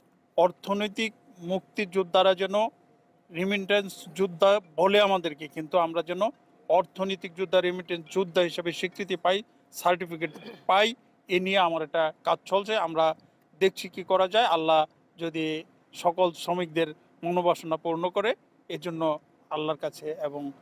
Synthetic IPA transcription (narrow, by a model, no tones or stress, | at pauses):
ɔɾt̪ʰonojt̪ik̚ | muk̚t̪id͡ʑud̪ʱːaɾad͡ʑɛno | ɾimiɳʈensd͡ʑud̪ʱːaboleamad̪eɾkekint̪uamɾad͡ʑɛno | ɔɾt̪ʰonojt̪ik̚d͡ʑud̪ʱːaɾimiʈensd͡ʑud̪ʱːaɦiʃebeʃikɾit̪̬ipaj | saɾʈifik̬eʈpaj | enijeamaɾɛk̚ʈakad͡ʑt͡ɕʰɔlt͡ɕʰeamɾa | d̪ek̚t͡ɕʰikikɔɾad͡ʑaealːa | d͡ʑod̪i | ʃɔkolsomik̚d̪eɾ | monobʱaʃonapuɾnokoɾe | ed͡ʑonːo | alːaɾkat͡ɕʰeeboŋ